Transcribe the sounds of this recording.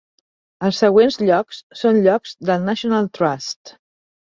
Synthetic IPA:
əlˠsːəɣ̞wenzʎɔkssonʎɔkz̥d̪əlˠnaʃiunalˠt̪ɾast̪

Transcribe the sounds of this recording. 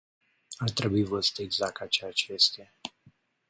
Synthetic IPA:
art̪ɾe̞buivəst̪eɡzak̚t̪at͡ʃeat͡ʃest̪ea

